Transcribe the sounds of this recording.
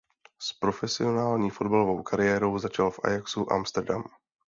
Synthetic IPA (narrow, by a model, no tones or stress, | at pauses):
spɾo̞fɛsɪo̞naːlɲiːfo̞dbalo̞vo̞wkʰaɾɪjɛːɾo̞wzat͡ʃalfʔa̰jaksuʔa̰mst̪ɛɾdam